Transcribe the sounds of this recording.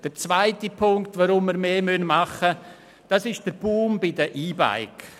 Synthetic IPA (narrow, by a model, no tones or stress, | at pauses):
d̥əɾt͡svaɪtipʰʊŋktʋoɾʊmːiɾmeːmønmɑχə | d̥ɑsɪʃd̥əɾb̥uːmbɪdəʔiːba̰ɪk